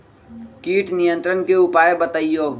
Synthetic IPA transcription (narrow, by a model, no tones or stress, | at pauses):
kiːʈnijə̃nt̪ɾənkeupaːjebət̪əijoː